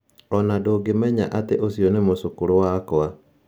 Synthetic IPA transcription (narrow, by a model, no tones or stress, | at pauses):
ɔnadoːɡemɛɲa̰ʔateʔosjonemosokoɾowakɔa